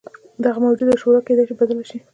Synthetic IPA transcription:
d̪aɣamawd͡ʒud̪əʃoɾɑked̪ajʃibad̪əlaʃi

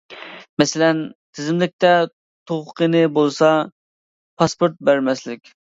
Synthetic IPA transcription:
mɛsɪlɛnt̪ʰɪzɪmlɪk̚ʲt̪ɛ | t̪ʰoʁqʰənɪbolˠsɑ | pʰɑspoɾt̪̚bæɾmɛslɪkʲ

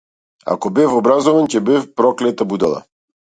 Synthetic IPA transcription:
a̰kɔbɛfɔbɾazɔvancɛbɛfpɾɔklɛt̪abud̪ɛlˠa̰

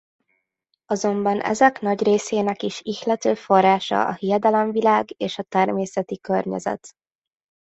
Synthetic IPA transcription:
ɒzo̞mbɒnɛ̰zɛknɒɟreːseːnɛkiʃiʃlɛt̪øːfo̞rːaːʃɒ̰ʔɒ̰hijɛd̪ɛlɛɱvilaːɡeːʃɒt̪ɛrmeːsɛt̪ikørɲɛ̰zɛ̰t̪

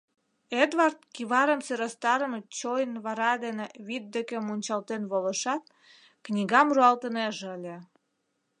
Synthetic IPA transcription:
ed̪βɑrt̪̚kiβɑɾəmseɾɑst̪ɑɾəmət͡ɕojnβɑɾɑd̪eneβit̪̚d̪ekemunʲt͡ɕɑlt̪enβolə̆ʃɑt̪ | knʲiɣɑmruɑlt̪əneʒeəlʲe

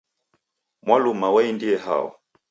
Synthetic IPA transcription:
mwalumawaindiɛha̰ɔ̰

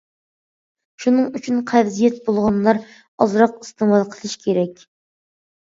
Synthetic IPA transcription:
ʃunɨŋyt͡ʃʰynqʰɛvzijɛt̪̚bolˠʁɑnlˠɑɾ | ɑzɾɑqi̥st̪əmɑlˠqʰəlˠɨʃkʲʰeɾɛkʲ

